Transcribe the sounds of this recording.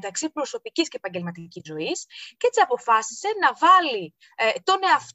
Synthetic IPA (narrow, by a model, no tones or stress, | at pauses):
t̪ɐksipɾo̞so̞picisce̞ːpɐɲɟe̞lmɐt̪icizo̞isceet͡siɐpo̞fɐsise̞nɐvɐli | t̪o̞ne̞ɐf